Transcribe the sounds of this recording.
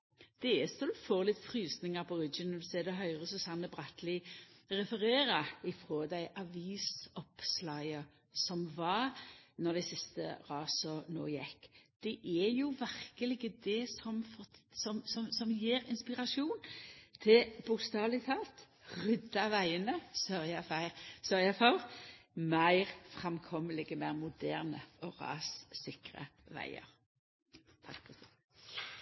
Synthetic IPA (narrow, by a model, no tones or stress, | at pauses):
d̪̥ɛɛst̪ɔd̪foːɾlɪt̪ːfɾyːsnɪŋɑpʰɔɾɪd͡ʒɪnəd̪seːd̪ɛɦœʏʁəsɔsɑnːəbʁɑt̪lɪʁɛfəʁeːɾɑɪfɾoːd̪æɪʔɑʋiːsɔpslɑɪə | sɔmʋɑɾnɔʁd̪æɪsɪst̪ə̰ʁɑːsɔno̰ːjɛkːd̪̥ɛʔɛjʊʋæʁkəlɪɡəd̪ɛsɔmfɔsɔmsɔmsɔmjiːɾɪnspɪʁɑʃuːnt̪ʰɪlb̥ʊkst̪ɑːʋlɪt̪ʰɑːlt̪ | ʁʏd̪ɑʋæɪənəsœʁjɑfæɪʁsœɾjɑfɔʁmæɪʁfʁɑmkʰɔməlɪɡəmæɪʁmʊd̪æːʁnə̰ɔʁɑ̰ːsːɪkʁə̰ʋæ̰ɪə̰ɾ | t̪ʰɑkːpʰɔt̪